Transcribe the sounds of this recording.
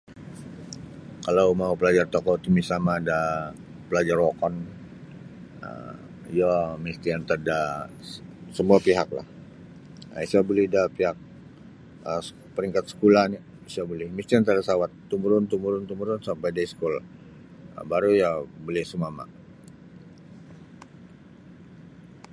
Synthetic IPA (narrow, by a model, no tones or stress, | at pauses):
kalawmaupəlad͡ʒart̪ɔkɔt̪imisamaːda | pəlad͡ʒarwokɔn | ə̰ | jɔmist̪iant̪ada | səmuapiɦak̚la̰h | isiabulɛhdapiɦak̚ | ə | pəɾiŋkat̪̚sə̥kulahni | isabulɛhmist̪iant̪adasawat̪ːumuɾʊnt̪umuɾʊnt̪umuɾʊnsampajdaisə̥kula | ə̰baɾujabolɛhsumama̰